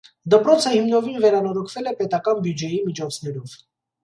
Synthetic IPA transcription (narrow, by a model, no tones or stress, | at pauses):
d̪əpɾɔt͡sʰəhimnɔvinvɛɾɑnɔɾɔkʰvɛlɛpɛt̪ɑkɑnbjud͡ʒɛjimit͡ʃʰɔt͡sʰn̪ɛɾɔv̥